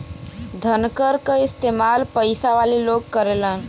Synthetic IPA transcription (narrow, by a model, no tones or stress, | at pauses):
d̪ʱənkəɾkəɪst̪emalpəjsaʋaliloɡkəɾelən